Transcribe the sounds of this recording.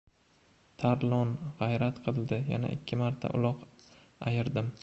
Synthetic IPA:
t̪ʰaɾlˠɒnʁajɾat̪qʰɨlˠd̪ɪja̰na̰ʔɪ̰kʲʰːɪmaɾt̪ʰa̰ʔʊ̰lˠɒq | ajɪɾd̪ɪm

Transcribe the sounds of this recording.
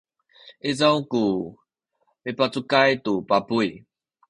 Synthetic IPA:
ezãwku | mepat͡sukajt̪upapui

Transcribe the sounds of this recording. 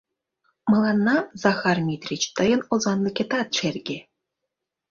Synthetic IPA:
mɤ̆lˠɑnːɑzɑxɑrmʲit̪rʲit͡ɕt̪əjɤ̆nozɑnlʲɤ̆kʲet̪ɑt̪̚ʃerʲɡʲe

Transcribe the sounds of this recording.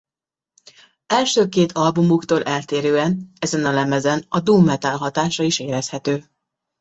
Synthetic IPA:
ɛlʃøːkeːt̪ʰɒlbumukt̪oːlʔɛlt̪eːɾøːɛnɛzɛnɒlɛmɛzɛnɒd̪uːmːɛt̪alɦɒt̪aːʃɒiʃeːɾɛshɛt̪øː

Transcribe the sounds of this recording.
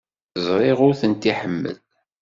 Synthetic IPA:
əzˤɾˤɪʁʊɾθənt̪iħəmːə̰l

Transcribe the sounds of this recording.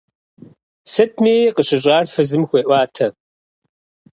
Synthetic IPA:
sɨt̚ʰmiːqəɕɪɕ̬ʼaːrfɨzɨmxʷeːʔʷaːtʰɐ

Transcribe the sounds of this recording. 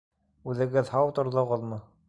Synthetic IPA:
ʉðɘ̆ɡɘðhɑwt̪ŏɾðoʁɤ̆ðˠmɤ

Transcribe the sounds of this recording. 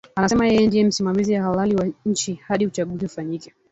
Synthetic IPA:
anasɛmajɛjɛndiɛm̩simamizijwahalaliwaɲ̩t͡ʃihaɗiut͡ʃaɠuziufaɲikɛ

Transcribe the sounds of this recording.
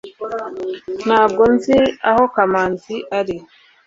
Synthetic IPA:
naːbɡonziahokamaːnziʔaɾi

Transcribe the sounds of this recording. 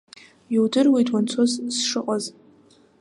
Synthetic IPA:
iwdɨrwejtʰʼwant͡sʰozsʂɨqʼaz

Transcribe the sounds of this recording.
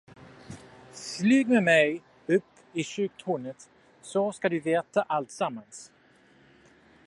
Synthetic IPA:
slʉːɡmɛmɛj | ɵpːɪɕʉk̚t̪ʰhuːnət̪ | sɔskad̪ɵveːt̪aʔalt̪samːans

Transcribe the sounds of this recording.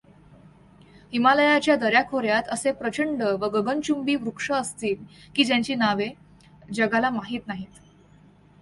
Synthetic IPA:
himaləjat͡ɕjad̪əɾjakʰoɾjat̪əsepɾət͡ɕəɳɖəʋəɡəɡənt͡ɕumbiːʋɾukʂəːst̪iːlkiːd͡ʑjaɲt͡ɕiːnaʋe | d͡ʑəɡalamaɦiːt̪naɦiːt̪

